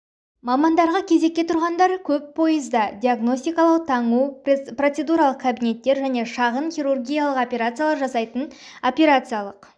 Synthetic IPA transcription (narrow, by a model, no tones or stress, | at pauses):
mɑmɑnd̪ɑɾʁɑkʲʰe̞ze̞kʲːe̞t̪ʰʊɾʁɑnd̪ɑɾkʲʰɵppʰo̞jəzd̪ɑd̪ʲiaɡno̞sʲt̪ijkɑlˠɑwt̪ʰɑɴupro̞t̪se̞d̪uɾɑlˠəq̚kʰabijne̞t̪ːe̞ɾʒæne̞ʃɑʁənχijɾurɡʲijalˠəqopʲeɾat̪sɨjalˠɑɾʒɑsɑjt̪əno̞pʲeɾat̪sɨjalˠəq